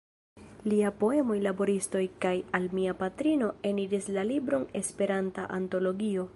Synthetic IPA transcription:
liapo̞e̞mo̞jlabo̞ɾisto̞jkajalmiapatɾino̞e̞niɾislalibɾo̞ne̞spe̞ɾanta̰ʔanto̞lo̞ɡio̞

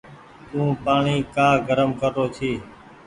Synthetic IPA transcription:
t̪ũːpaːɳiːkaːɡəɾəmkəɾoːt̪ʰiː

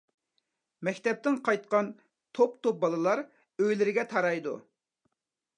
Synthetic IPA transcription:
mɛkʲt̪ɛp̚t̪ɪŋqʰɑjt̪qɑn | t̪ʰopt̪ʰop̚bɑlˠɨlˠɑɾ | øjlɪɾɪɡʲɛt̪ʰɑɾɑjd̪u

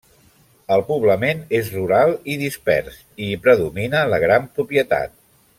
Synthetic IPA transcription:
əlˠpuβləmenezruɾalˠiðispɛ̰ɾs | ipɾəðuminələɣ̞ɾampɾupiət̪a̰t̪̚

